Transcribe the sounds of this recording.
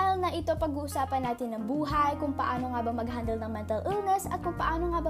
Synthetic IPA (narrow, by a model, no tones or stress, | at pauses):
ɪlnɐʔɪt̪o̞pɐɡ̚uːʔʊsaːpɐnːaːt̪ɪnːɐŋbuːɦɐjkʊŋpɐʔaːno̞ŋaːbɐŋmɐɡɦand̪ɐlnɐŋmɛnt̪ɐlʔɨlŋɐsɐ̰t̪̚kʊŋpɐʔaːnoŋabɐ